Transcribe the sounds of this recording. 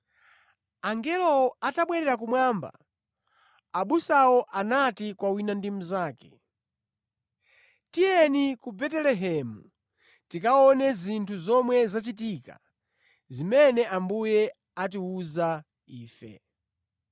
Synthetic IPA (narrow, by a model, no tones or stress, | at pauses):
aŋɡɛlɔataɓwɛɾɛɾak̬umwamba̰ | aɓusawɔʔanatikwawinandim̩zaːkɛ̥̰ | tijɛnikubɛtɛlɛɦɛmu | tikaɔnɛzintʰuzɔmwɛzat͡ʃitika̰ | zimɛnɛʔambujɛ | at̬iuza | iːfɛ̰